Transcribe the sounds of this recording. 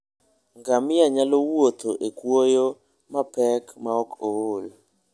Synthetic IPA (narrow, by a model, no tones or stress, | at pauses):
ŋɡamɪjaɲalowot̪oʔekwojo | mapɛkmaɔkool